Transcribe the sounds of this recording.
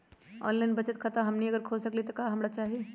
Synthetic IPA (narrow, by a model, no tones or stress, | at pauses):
ɔ̰ːnlaːɪnbɐt͡ʃət̪kʰət̪aɦɐmniɐɡəɾkʰoːlsɐklit̪okaɦɐmɾat͡ʃaːɦie